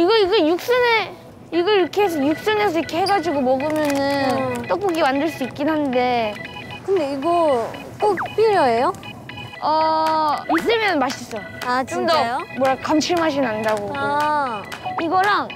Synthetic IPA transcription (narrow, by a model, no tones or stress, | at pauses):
iɡʌiɡʌjuk̚s͈ɯne | iɡʌɾkʰeːs̬ʰʌjuk̚s͈ɯne̞s̬ʰʌikʰe̞heɡad͡ʑiɡomʌɡɯmjʌnɯnt͈ʌk̚p͈oɡimandɯɭs͈uit̚k͈ːinɦande̞kɯndeiɡʌ | k͈ok̚p͈iɾjʌejo | ʌ | is͈ɯmjʌnmaɕʰis͈ʌ | at͡ɕndʌjomwʌɾakamt͡ɕʰiɭmɦaɕʰinandaɡoɡo | iɡʌɾaŋn